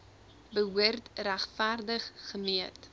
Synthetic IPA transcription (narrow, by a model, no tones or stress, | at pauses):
bəɦuərtræχfærdəχːəmiət